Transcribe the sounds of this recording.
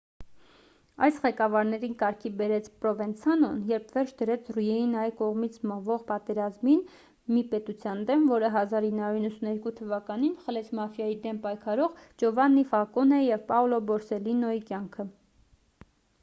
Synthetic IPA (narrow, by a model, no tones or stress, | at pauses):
ɑjsʁɛkɑvɑɾnɛɾinkɑɾkʰibɛɾɛt͡sʰpɾɔvɛnt͡sʰɑnɔnjɛɾpʰvɛɾt͡ʃʰd̪əɾɛt͡sʰrujɛjinɑjkɔʁmit͡sʰməʁvɔʁpɑt̪ɛɾɑzmin | mipɛt̪ut͡sʰjɑnd̪ɛmvɔɾəɦɑzɑɾinːhɑuɾinːəsunɛɾkut̪ʰəvɑkɑninχəlɛt͡sʰmɑfjɑjid̪ɛmpɑjkʰɑɾɔʁd͡ʒɔvɑnːifɑkɔnɛjɛvpɑulɔbɔɾsɛlinɔikjɑŋkʰə